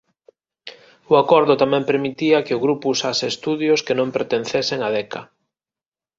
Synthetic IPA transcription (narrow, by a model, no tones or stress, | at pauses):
ʊakɔɾðʊt̪amɛ̃mpeɾmit̪iɐkeʊɣɾupusasest̪uðjʊskenõmpeɾt̪en̟θeseŋaðɛkɐ